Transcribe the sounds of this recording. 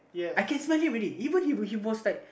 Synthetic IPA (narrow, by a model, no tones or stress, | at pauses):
jɛaɪkɛ̃nsmalhĩɹiɾiivə̃nhiwhiwɔslaɪk̚